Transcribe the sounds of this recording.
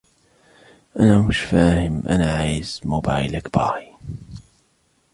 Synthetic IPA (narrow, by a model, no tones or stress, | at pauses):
ʔanaːmʊʃfaːhɪmʔa̰naʕaːjz̥mobajlakbɑ̰ʕi